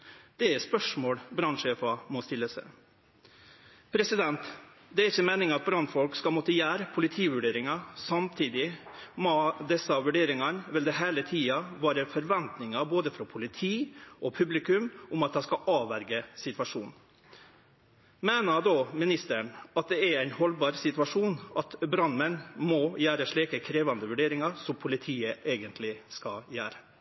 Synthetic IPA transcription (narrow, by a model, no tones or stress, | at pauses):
d̪̥ɛæɾspœʂmoːɽbɾɑnʂeːfɑmɔst̪ɪlːəsɛ̰ɪ | pʰɾɛsɪd̪ɛnt̪ | d̪ɛæɾɪçːəmeːnɪŋɑt̪̚bɾɑnd̪fɔlkskɑlmɔt̪ːəjæːɾpʰʊlɪt̪ʰiːʋʉɖeːɾɪŋɑsɑmt̪ʰiːd̪ɪmod̪ɛsːɑʋʉɖeːɾɪŋɑnʋɪld̪ɛɦeːlət̪ʰiːɑʋæːɾəfɔɾʋɛnt̪nɪŋɑboːd̪əfɾɔpʰʊlɪt̪ʰiːʔɔpʰʉblɪkʉmʔʊmɑt̪̚d̪ɑskɑʔɑːʋæɾɡəsɪt̪ʋɑʂuːn | meːnəd̪oːmɪnɪst̪əɳɑt̪̚d̪ɛæɾæɪnhɔlbɑːɾsɪt̪ʉʋɑʂuːnʔɑt̪bɾɑnːmɛnmɔjæːɾəʂɭiːkəkʰɾeːʋɑnd̪əʋʉɖeːɾɪŋɑsɔmpʰʊlɪt̪ʰiːəʔeːɡənt̪ʰlɪskɑjæːɾə